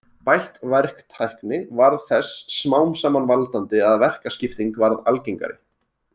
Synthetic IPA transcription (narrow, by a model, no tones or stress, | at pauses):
pajht̪vɛɾ̥kt̪ʰajhknɪvaɾðθɛsːmaːwmsaːmanvalt̪ant̪ɪaðvɛr̥kascɪft̪iŋkvaɾðalceŋka̰ɾɪ̰